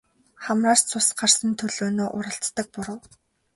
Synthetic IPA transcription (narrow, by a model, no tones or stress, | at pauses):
χamraːst͡sʰʊsɢarsə̆nt̪ʰɵɮoːnoːʔʊɾə̆ɬt͡s̪ːə̆k̚pʊɾə̆w